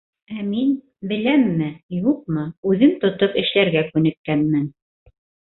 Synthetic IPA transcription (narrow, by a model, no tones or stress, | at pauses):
æmin | bɘ̆læmːɘjuq̚mɤʉðɘmt̪ŏt̪opɘ̆ʃlæɾɡækʉnɘ̆kːænmɘn